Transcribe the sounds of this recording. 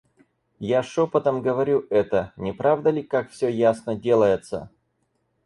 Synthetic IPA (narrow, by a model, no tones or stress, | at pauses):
jaʂopət̪əmɡəvɐɾʲuɛt̪ənʲɪpɾavd̪əlʲɪkakfsʲɵjasnədʲe̞lˠəjɪt̪sə̰